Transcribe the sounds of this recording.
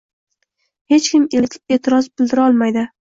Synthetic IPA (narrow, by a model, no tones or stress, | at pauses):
he̞t͡ʃkʲɪmeet̪ʰɪɾɒzbɪld̪ɪɾɒlˠmajd̪ɪ